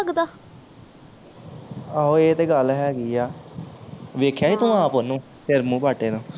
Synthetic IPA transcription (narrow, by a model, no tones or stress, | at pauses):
ɡd̪aː | əɦõːeːt̪eːɡəlɦɛːɡiːaː | ʋeːkʰːjaːɦiːt̪õːaːponũː | ʃɪɾmũːpaːʈeːnõː